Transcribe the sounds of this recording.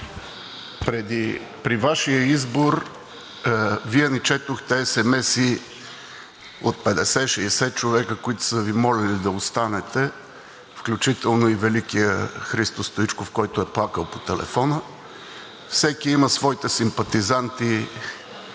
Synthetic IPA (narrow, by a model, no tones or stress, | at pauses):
pɾɛd̪i | pɾivaʃijəizboɾ | viɛnɛt͡ʃɛt̪oxt̪ɛɛsɛmɛsi | ot̪̚pɛd̪ɛsɛʃɛsɛt͡ʃovɛkəkoit̪ʊ̥səvimɔlɛlid̪ɐost̪anɛt̪ɛ | fklʲut͡ʃit̪ɛlˠnoivɛlikijəxɾist̪ost̪oit͡ʃkofkɔjt̪ʊɛplˠakəlˠpo̥t̪ɛlɛ̰fɔnə | fsɛkiiməsvɔit̪ɛsimpɐt̪izant̪i